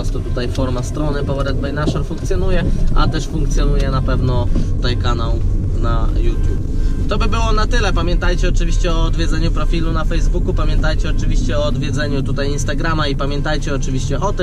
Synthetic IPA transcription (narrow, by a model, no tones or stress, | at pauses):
ɔst̪ɔt̪ut̪ajfɔɾmast̪ɾɔnɘpɔwɾɛd̪̚bɛjnaʂɛɾfuŋk̚t̪sʲjɔnujɛʔa̰t̪ɛʂfuŋkt̪sʲjɔnujɛnapɛvnɔt̪ut̪ajkanaw | najut̪ʲjupt̪ɔbɘbɘwɔnat̪ɘlɛpamʲjɛnt̪ajt͡ɕɛɔt͡ʂɘvʲiɕt͡ɕɛɔːd̪vʲjɛd̪zɛɲupɾɔfʲilunafɛjzbukupamʲjɛnt̪ajt͡ɕɛɔt͡ʂɘvʲiɕt͡ɕɛɔːd̪vʲjɛd̪zɛɲut̪ut̪ajinst̪aɡɾamaipamʲjɛnt̪ajt͡ɕɛɔt͡ʂɘvʲiɕt͡ɕɛʔɔt̪ɘm